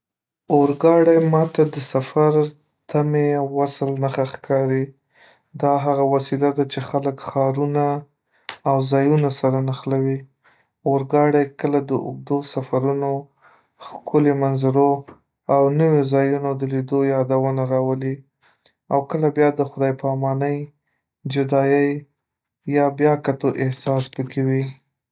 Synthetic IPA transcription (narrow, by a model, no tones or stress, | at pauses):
oɾɡɑɽajmɑt̪ad̪əsafaɾ | t̪ameawːasəlnaxaxkʰɑɾi | d̪ɑɦaɣawasilad̪at͡ʃexaləkxɑɾunaː | wzɑjunasaɾanaxlawi | oɾɡɑɽajkəlad̪əʊ̰ɡ̚d̪osafaɾuno | xkʰʊlemanzaɾo | awnəwezɑjunod̪əlid̪ojɑd̪awənaɾɑwəli | awkəlabjɑd̪əxʊd̪ɑjpɑmɑnəj | d͡ʒʊd̪ɑjəj | jɑbjɑkat̪oʔɪhsɑspəkewi